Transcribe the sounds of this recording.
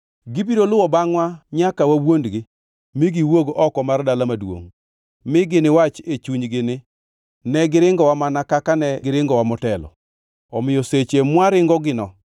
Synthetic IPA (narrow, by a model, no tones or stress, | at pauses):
ɡibiɾolʊwɔbaŋwaɲakawawondɡɪ | miɡiwoɡɔkɔmardalamadwo̰ŋ | mɪɡɪnɪwat͡ʃet͡ʃuɲɡɪnɪ | nɛɡɪɾɪŋɡɔwamanakakanɛɡɪɾɪŋɡɔwamɔtɛlɔ̰ | ɔmɪjoset͡ʃemwaɾɪŋɡɔɡɪnɔ